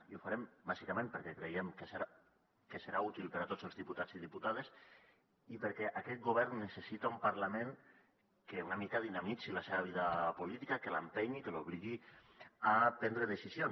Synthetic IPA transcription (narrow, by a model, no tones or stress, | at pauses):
iufaɾembazikamẽmpəɾkɛkɾejemkesɾa | keseɾaut̪ilˠpeɾat̪od͡zəlzðiput̪ad͡ziðiput̪aðes | ipeɾkɛʔakɛt̪̚ɡoβɛɾnːesesit̪aumpaɾlamẽŋ | keunamikaðinamit͡silaseβaβ̞iðapolit̪ikakelampeɲikeloβ̞liɣi | apɛnd̪ɾeðesizjon